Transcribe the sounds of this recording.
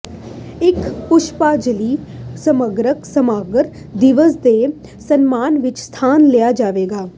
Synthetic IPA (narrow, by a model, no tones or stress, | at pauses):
ɪkpʊʃpaːd͡ʒəliːsəməɡɾəksəmaːɡɾ | d̪ɪʋəsd̪eː | sənmaːnʋɪt͡ʃst̪ʰaːnlejaːd͡ʒaːʋeːɡaː